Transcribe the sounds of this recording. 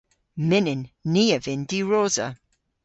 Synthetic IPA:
mɪnɪnːiːəvɪndiɹoːzə̰

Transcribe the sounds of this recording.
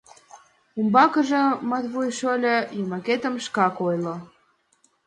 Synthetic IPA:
umbɑkə̆ʒĕmɑt̪βujʃolʲə̆jimɑket̪ə̆mʃkɑkojlo

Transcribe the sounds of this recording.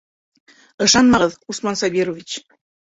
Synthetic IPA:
ɤ̆ʃɑnmɑʁɤðusmɑnsɑβeɾovʲit͡ɕ

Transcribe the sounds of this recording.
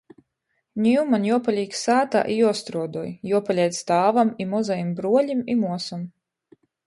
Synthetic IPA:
nʲiumanjuɔpalʲiːksaːt̪a̰ʔijɔɔst̪ɾuɔd̪ɔjjuɔpalʲɛjt̪st̪aːvamimɔzajimbɾuɔlʲimimuɔsam

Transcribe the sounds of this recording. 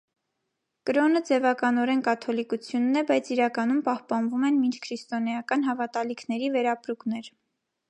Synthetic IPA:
kəɾɔnəd͡zɛvɑkɑnɔɾɛnkɑt̪ʰɔlikut͡sʰjunːɛbɑjt͡sʰiɾɑkɑnumpɑhpɑnvumɛnmint͡ʃʰkʰɾist̪ɔnɛjɑkɑn̪ɦɑvɑt̪ɑlikʰnɛɾivɛɾɑpɾuknɛɾ

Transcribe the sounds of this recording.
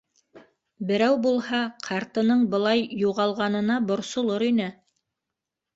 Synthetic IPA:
bɘ̆ɾæwbulˠhɑqʰɑɾt̪ɤ̆nɤɴbɤ̆lˠɑjːuʁɑlˠʁɑnɤ̆nɑbŏɾsŏlˠoɾinæ

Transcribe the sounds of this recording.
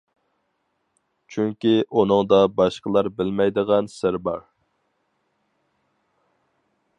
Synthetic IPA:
t͡ʃʰyŋkʲiʔunɨŋd̪ɑbɑʃqəlˠɑɾbɪlmɛjd̪əʁɑnsɪɾbɑɾ

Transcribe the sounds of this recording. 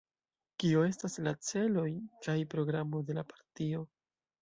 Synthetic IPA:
kioe̞staslat͡se̞lo̞jkajpɾo̞ɡɾamo̞de̞lapḁɾtio̞

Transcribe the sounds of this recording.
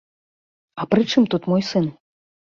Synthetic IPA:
ɐpɾɨt͡ʂɨmt̪ut̪mɔjsɨn

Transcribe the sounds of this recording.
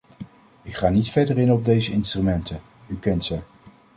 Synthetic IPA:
ɪkχaːnitfɛdərɪnɔb̚dejzəɪnstrymɛntə | ykɛntsə

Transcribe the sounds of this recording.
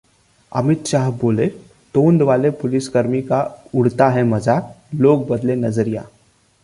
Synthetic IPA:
ə̰mit̪ɕaɦbole | t̪ond̪ʋalepuliskəɾmikauɽ̤t̪aɦɛməd͡zaklok̚bəd̪lenəd͡zəɾija̰

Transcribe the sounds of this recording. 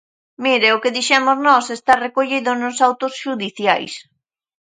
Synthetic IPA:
miɾɪʊkɪðiʃɛmʊznɔsest̪arekoʎiðʊnʊsawt̪ʊsʃuðiθja̰js

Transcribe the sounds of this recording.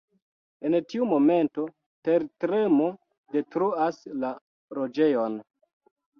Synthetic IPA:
e̞ntiumo̞me̞nto̞ | teɾtɾemo | de̞tɾuasla | ɾod͡ʒe̞jo̞n

